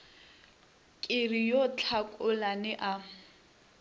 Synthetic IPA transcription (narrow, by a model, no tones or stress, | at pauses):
kʼɪrijot͡ɬʰakʼʊlanɛʔa